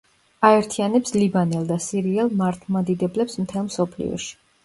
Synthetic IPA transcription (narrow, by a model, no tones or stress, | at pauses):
aɛɾt̪ʰianɛpslibanɛlˠd̪asiɾiɛlˠmaɾt̪ʰmad̪id̪ɛblɛpsmt̪ʰɛlˠmsɔpʰlḭɔ̰ʃi̥